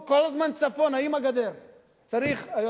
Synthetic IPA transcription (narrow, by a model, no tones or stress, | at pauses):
kolazmant͡safonaimaɡad̪eʁ | t͡saʁiχajo